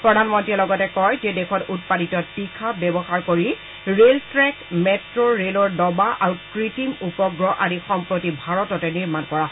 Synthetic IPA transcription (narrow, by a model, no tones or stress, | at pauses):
pɹɔdʱanmɔntɹiɛlɔɡɔtɛkɔjzɛdekʰɔtut̚paditɔtikʰabɛbɔxaɹkoɹi | ɹeltɹɛkmɛtɹɔɹelɔɹdɔbaʔaɹukɹitimupɔɡɹɔʔaɹixɔmpɹotibʱaɹɔtɔtɛniɹmankɔɹaɦɔ